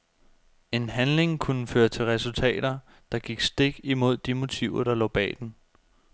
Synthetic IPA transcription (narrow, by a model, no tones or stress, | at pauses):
e̝nɦænle̝ŋkʰunəføːɐt͡sʰe̝lʁɛsult͡sʰɛ̰ːd̥ɐ | d̥ɑ̈ɡ̥iɡ̥sd̥e̝ɡ̥imo̝ð̞̰ˠd̥imo̝t͡sʰiʊ̰ɐd̥ɑ̈lɒ̰ːb̥ɛ̰ːd̥en